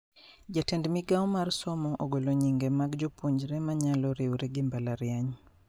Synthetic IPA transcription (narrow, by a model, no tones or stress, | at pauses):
d͡ʒatɛndmiɡaɔmaɾsɔmɔʔɔɡɔlɔɲiŋɡɛmaɡd͡ʒupuɲd͡ʒɾɛmaɲalɔɾɛuɾɛɡimbalaɾjaɲ